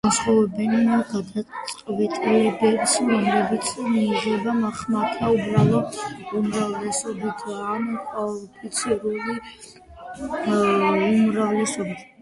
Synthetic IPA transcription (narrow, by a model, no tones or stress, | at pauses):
ansχɔvɛbɛnaɡad̪asʼqʼvɛt̪ʼviɛb̪ɛbsɾɔmlɛbit̪sʰmiːʁɛbamaχmakʰaubɾalˠɔumɾavlɛsɔbit̪ʰankʼapʰit̪sʰiɾuli | umɾavlɛsɔbit̪ʰ